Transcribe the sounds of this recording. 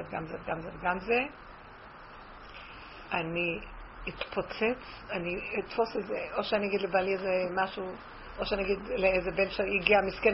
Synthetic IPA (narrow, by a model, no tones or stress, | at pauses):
evɡamzeveɡamzeveɡamze | aniit̪pʰot͡set͡s | aniit̪fo̞sezeʔo̞ʃeaniaɡid̪lebaliezemaʃu | ʔoʃeaniaɡid̪leezebenʃejiɡiamisken